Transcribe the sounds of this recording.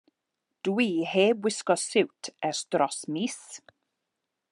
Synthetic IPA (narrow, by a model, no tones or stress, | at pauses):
d̥wiːheːbwɪskɔsɪwtʰɛrstrɔsmiːs